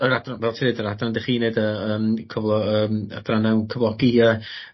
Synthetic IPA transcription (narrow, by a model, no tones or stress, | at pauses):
əɾadranvɛlˠtʰiɨdəɾadrandɪχiːnedəəːmkʰɔvlˠɔəːma̰dranɛwnkʰəvlˠɔɡiə